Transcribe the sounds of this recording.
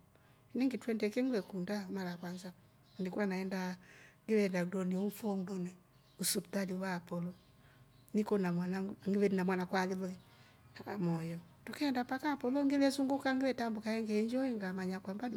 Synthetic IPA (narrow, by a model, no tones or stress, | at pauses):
ɛnɛŋɡetwɛndɛkɛŋɡwɛkundamalakwanza | ndikwanaɛndaŋɡelɛndaɡdɔniɔufɔŋdɔni | usuptaliwapɔlɔ | nikɔnamwanaŋɡiβɛnamwanakwalilɔ | amɔjɔ | tukɛndapakapɔlɔŋɡelɛsuŋɡokaŋɡelɛtambukaɛŋɡɛɲd͡ʒɔiŋɡamaɲakwambad